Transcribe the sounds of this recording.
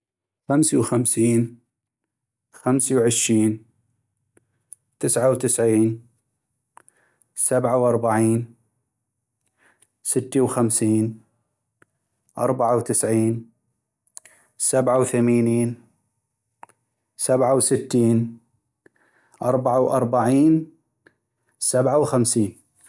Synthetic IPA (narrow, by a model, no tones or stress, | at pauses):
xamsiwxamsiːn | xamsiwʕɪʃɾiːn | t̪ɪsʕawt̪ɪsʕiːn | sabʕawʔɑɾˤbaʕiːn | sɪt̪ːiwxamsiːn | ʔɑ̰ɾˤbaʕawt̪ɪsʕiːn | sabʕawθamaːniːn | sabʕawsɪt̪ːiːn | ʔɑɾˤbaʕawʔɑɾˤbaʕiːn | sabʕawxamsiːn